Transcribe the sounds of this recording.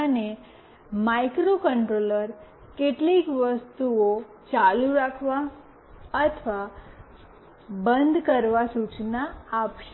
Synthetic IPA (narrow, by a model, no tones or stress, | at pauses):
əne | maikɾokəɳʈɾoləɾ | keʈlikʋəst̪uo | t͡ʃaluɾakʰʋa | ət̪ʰʋa | bənd̪ʱkəɾʋasut͡ʃnaːpʃe